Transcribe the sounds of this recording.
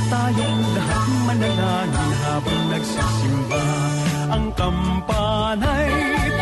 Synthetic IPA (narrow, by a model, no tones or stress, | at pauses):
t̪aːjɐŋlɐɦɐt̪mɐnɐlaːnɐnɦaːbɐŋnɐɡsɐːsɪmba | ʔɐŋkɐmpa | nɐj